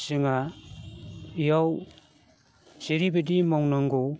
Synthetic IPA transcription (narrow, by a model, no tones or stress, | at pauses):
sɯŋa | jaw | seɾibedimawnaŋɡo